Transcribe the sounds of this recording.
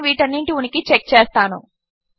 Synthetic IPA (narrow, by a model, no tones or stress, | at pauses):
ʋiːʈɐnːiɳʈiunikit͡ʃek̚t͡ʃeːst̪aːnṵ